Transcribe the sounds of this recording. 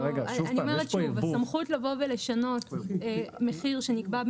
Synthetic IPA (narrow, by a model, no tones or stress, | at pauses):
ʁeɡaaniomeʁetʃuvasamχutlavo̞vele̞ʃano̞t | me̞χiʁʃe̞nikbab